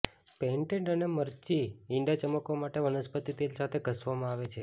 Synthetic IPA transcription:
peɳʈẽɳʈəneməɾt͡ʃiɪɳɖat͡ʃəməkomaʈeʋənəspət̪it̪elsat̪ʰeɡʱəsʋamãaʋet͡ʃʰe

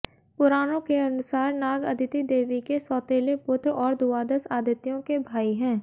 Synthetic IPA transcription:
pʊɾaːnõkeɐnʊsaːɾnaːɡɐd̪ʱɪt̪id̪eːʋikesɔːt̪eːlepʊt̪ɾɔːɾd̪uaːd̪əsaːd̪jət̪ijõkebʱaːiɦɛ̃ː

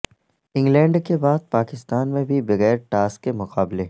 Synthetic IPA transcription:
ɪ̃ŋɡlɛ̃ːɳɖkebaːd̪̚paːkɪst̪aːnmẽbʱibɐɣɛːɾʈaːskːemʊqaːble

